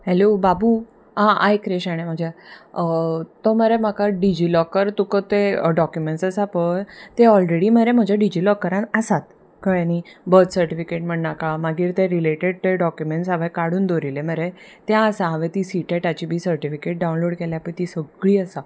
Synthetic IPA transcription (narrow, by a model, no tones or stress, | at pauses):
hɛlobabu | ɦãʔajkɾeɕaɽ̃em̤əd͡ʑʱjaət̪ɔməɾem̤akaɖid͡ʑiːlɔkəɾt̪ukət̪eɖɔkjumeɳʈsəsapət̪eɔlɾeɽiːm̤əɾem̤əd͡ʑʱaɖid͡ʑiːlɔkːəɾãnəsat̪ | kəɭjanibət̪səɾʈifikeʈm̤əɳːakamaɡiːɾt̪ẽɾileʈeɽ̚eɖɔkjumeɳʈsaʋẽkaɽuːnd̪ʱoɾilem̤əɾet̪jãəsaɦaʋẽt̪iːsiʈeʈat͡ɕibʱiːsəɾʈifikeʈ̚ɖaw̃nloɽkeljapəɳt̪iːsəɡɭiːəsa